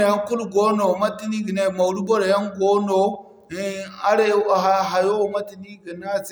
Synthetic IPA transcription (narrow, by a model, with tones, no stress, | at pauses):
ja˦ŋku˦lɡo˦no˨ma˦ti˦ni˦ɡi˨na˨ma˨wlu˦bo˦ɾa˨ja˦ŋɡo˦no˨˦ | a˦ɾe˦˨a˨ɦa˨jo˦˨ma˦ti˨ni˦ɡə˨na˦z